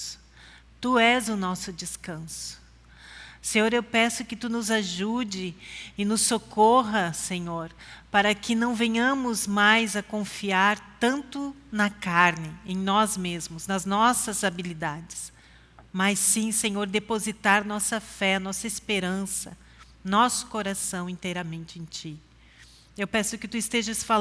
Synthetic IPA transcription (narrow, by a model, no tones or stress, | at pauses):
t̪uɛzʊnɔsʊd͡ʒɪskɐ̃sʊ̥ | sẽɲoɾewpɛsʊkɪt̪unʊzaʒud͡ʒɪɪnʊsːokoɦɐsẽɲoɾpaɾɐkɪnɐ̃w̃vẽɲɐ̃mʊzmajzɐkõfiaɾt̪ɐ̃nt̪ʊnɐkaɾnɪẽj̃nɔzmezmʊznɐznɔsɐzabilid̪ad͡ʒɪs | mɐsːĩsẽɲoɾd̪epozit̪aɾnɔsɐfɛɐnɔsɐespeɾɐ̃sɐ̰ | nɔsʊ̥koɾasɐ̃w̃ĩnt̪ejɾɐmẽnt͡ʃɪẽj̃t͡ʃi | ewpɛsʊkɪt̪uɪst̪eʒɐsfa